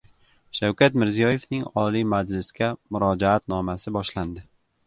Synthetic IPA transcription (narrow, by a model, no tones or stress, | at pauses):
ʃawkʲʰat̪mɪɾzijɒje̞fnɪŋɒlimad͡ʒlɪsɡʲamʊɾɒd͡ʒaat̪nɒmasɪbɒʃland̪ɪ